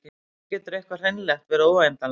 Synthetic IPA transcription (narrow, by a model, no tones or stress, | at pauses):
ɛt̪ʏɾɛhkvar̥ejnlɛxt̪vɛːɾoaɛnt̪al